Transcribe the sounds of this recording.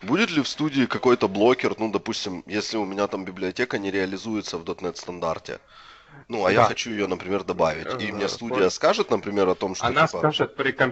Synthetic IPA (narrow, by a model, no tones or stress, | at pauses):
budʲɪt̪lʲɪfst̪udʲɪːkɐko̞jt̪əblˠo̞kʲɪrnud̪ɐpusʲtʲɪmjesʲlʲɪʊmʲɪnʲat̪ambʲɪblʲɪɐtʲe̞kənʲɪɾʲɪɐlʲɪzujɪt̪səvd̪ot̪nɛt̪st̪ɐnd̪a̰rtʲɪ̰ | nuɐjaxɐt͡ɕujɪjonəpɾʲɪmʲe̞rd̪ɐbavʲɪ̰tʲimnʲe̞st̪udʲɪjəskaʐɨt̪nəpɾʲɪmʲe̞ɾɐt̪o̞mʂt̪ːonpəʐɨt̪̚pɾʲɪkɐm